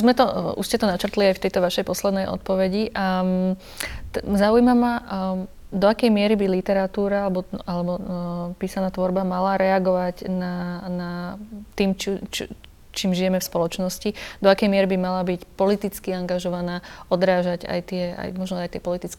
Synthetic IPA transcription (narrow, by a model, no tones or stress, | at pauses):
uzmɛt̪ɔuʃscɛt̪ɔnat͡ʃr̩t̪liajft̪ɛjt̪ɔʋaʃɛjpɔslɛd̪nɛjɔ̰t̪̚pɔʋɛɟiʔa | t̪zaujmama | d̪ɔakɛjmɪɛɾibilit̪ɛɾat̪uːɾaalɛbɔalɛbɔpiːsanaːt̪ʋɔɾbamalaɾɛaɡɔʋaɟnanat̪iːmt͡ʃt͡ʃ | t͡ʃiːmʒijɛmɛfspɔlɔt͡ʃnɔscid̪ɔakɛjmɪɛɾibimalabicpɔlit̪it͡skiaŋɡaʒɔʋanaːɔd̪ɾaːʒaɟa̰jt̪ɪɛa̰jmɔʒnɔajt̪ɪɛpɔlit̪it͡skɛ